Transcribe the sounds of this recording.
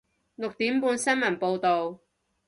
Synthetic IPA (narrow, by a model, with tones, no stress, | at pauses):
lʊ˨k̚t̪iː˨˥mpuː˧nsɐ˥nmɐ˨˩npo˧wt̪o˨w